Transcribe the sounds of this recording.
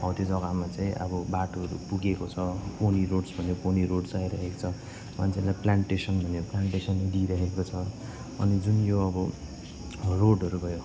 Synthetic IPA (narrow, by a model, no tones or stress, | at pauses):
ʌwt̪id͡zʌɡamat͡saĩʔʌ̰bʌbaʈoʌɾṵpuɡekot͡sʰʌponiɾoɖsbʱʌnoponiɾoɽsajɾʌɦeko̥t͡sʰʌ | want͡salaplaɳʈesʌnbʱʌnjoplaɳʈesʌnːed̪iɾʌɦekot͡sʰʌ | ʌ̰nid͡zunjoʌbʌ | roɽɦʌɾubʱʌjo